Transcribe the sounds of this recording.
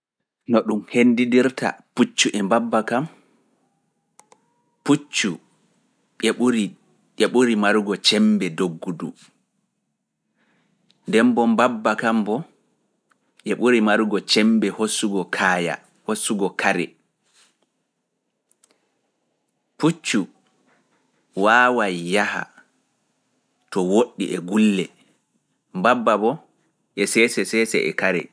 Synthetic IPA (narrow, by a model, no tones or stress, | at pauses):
nɔɗumhendidiɾtʰa̰put͡ʃːuʔɛmbabːakam | put͡ʃːu | ɾi | ɛɓuɾimaɾuɡɔt͡ʃɛmbɛdoɡːudṵ | ndɛmbɔmbabːakambɔ | ʔɛɓuɾimaɾuɡɔt͡ʃɛmbɛhosːuɡɔkʰaːja̰ | hosːuɡɔkʰaɾɛ | put͡ʃːu | waːwajːaha̰ | tɔwoɗːiʔɛɡulːɛ | mbabːabɔ | ʔɛsɛsɛsɛsɛ̰ʔɛ̰kaɾɛ̰